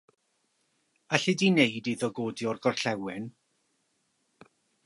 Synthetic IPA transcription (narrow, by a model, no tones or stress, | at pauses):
aɬɨdineɨdiðɔɡoːdjɔrɡɔrɬɛwɪn